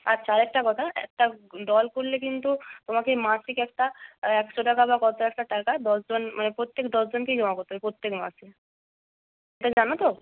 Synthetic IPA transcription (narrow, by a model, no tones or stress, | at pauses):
atːɕʰaɾɛk̚ʈakɔt̪ʰaɛ̰k̚ʈaɖɔlkoɾlekint̪ut̪omakemasikɛk̚ʈaɛkʃoʈakaβakɔt̪oɛk̚ʈaʈakad̪ɔsd͡ʑonmʔanepɾot̪ːekd̪ɔsd͡ʑonked͡ʑɔmakoɾt̪oepɾot̪ːekma̰si | eʈad͡ʑanot̪o